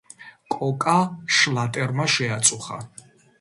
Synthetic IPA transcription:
kʼɔkʼaʃlat̪ʼɛɾmaʃɛat̪sʼuχa̰

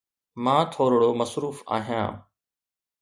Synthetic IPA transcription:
mãːt̪ʰoːɾɽoːmɐsɾuːfa̰ːɦijã̰ː

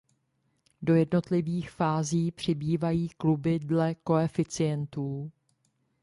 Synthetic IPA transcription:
do̞jɛdno̞t̪lɪviːxfaːziːpr̝̥ɪbiːvajiːklubɪdlɛko̞ɛfɪt͡sɪjɛnt̪uː

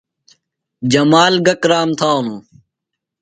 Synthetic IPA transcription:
d͡ʑɐmaːlɡɐkɾaːmt̪ʰaːnũː

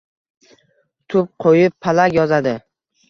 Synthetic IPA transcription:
t̪ʰʊp̚qʰojɪpʰːalaɡʲjɒzad̪ɪ

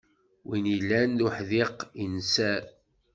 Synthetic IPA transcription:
winilːænðuħðiqinsæ

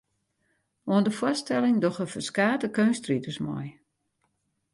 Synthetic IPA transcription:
ɔəndəfwɔstɛlɪŋdɔxəfəskaːtəkøːnstritəsmɔ̰j

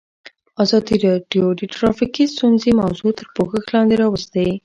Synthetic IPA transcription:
azɑd̪iɾɑɖjoɖ̪əʈɾɑfikist̪unzemawzut̪əɾpoxəxlɑnd̪eɾɑwəst̪awi

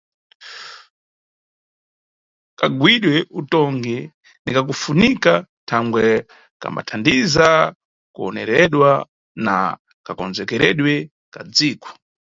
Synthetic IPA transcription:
kaɡwiɗwɛʔutɔŋɡɛ | nikak̬ufunika | tʰaŋɡwɛ | ka̰mba̰tʰandiza | kuɔnɛɾɛɗwa | na̰ | kakɔnzɛkɛɾɛɗwɛ | kad͡ziːkɔ̥

